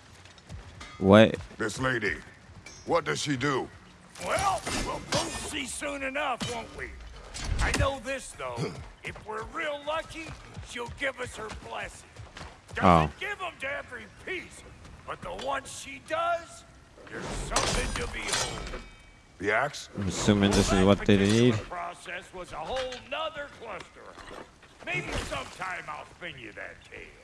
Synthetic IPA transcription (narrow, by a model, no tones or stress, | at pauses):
weɪmɪsleɪɾḭ | wʌt̚d̥ʌz̥ʃidu | wɛlˠwɪlˠboʊsisũnɨnʌfwoʌ̃ʊ̃nʔwi | aɪnoʊðɪsðoʊɨfwɪɹɹilˠlʌki | ʃilˠɡɪvʌshə˞blɛsɪ̃ŋ | d̥ʌoʊɡ̥ɪvə̃mtɨɛvɹipʰisb̥ʌt̪̚ðəwʌ̃nsʃidʌz | ðə̥˞sʌ̃mθɪ̃ŋtɨbioʊ | ðiæksmɪsʉmɨ̃nðɪsɨzwʌt̪̚ðeɪnnidpʰɹ̥ɔsɛswʌzəhoʊlˠnʌðə˞kʰl̥ɛstə̰˞ | meɪbisʌ̃mtʰãɪ̃maɪlˠfɪ̃njɨ̰ðɨ̰tʰḛɪlˠ